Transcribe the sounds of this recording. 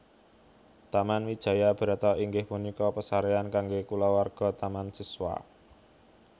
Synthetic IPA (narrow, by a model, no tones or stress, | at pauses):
t̪amanwid̥ʒ̥ä̤jab̥ə̤ɾat̪ɔiŋɡɪhpunikɔpəsaɾeankaŋɡekulawarɡ̥ɔ̤t̪amansiswa̰